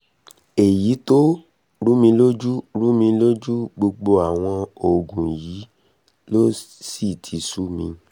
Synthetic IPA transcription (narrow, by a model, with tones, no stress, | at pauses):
e˨ji˨˦to˦ | ɾu˦mĩ˧lo˦d͡ʒu˦ɾu˦mĩ˧lo˦d͡ʒu˦ɡ͡bo˧ɡ͡bo˧a˨w̃ɔ̃˧o˨ɡũ˨ji˨˦ | lo˦si˦˨tʰi˨˦su˦mḭ̃˧